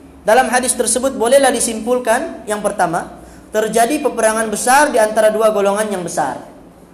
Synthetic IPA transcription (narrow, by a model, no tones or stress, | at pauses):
dalamɦadɪst̪ərsəbʊt̪̚bolɛhlahdisimpulkanjaŋpərt̪ama | t̪ərd͡ʒadipəpəɾaŋanbəsardiant̪aɾaduaɡoloŋanjaŋbəsa̰r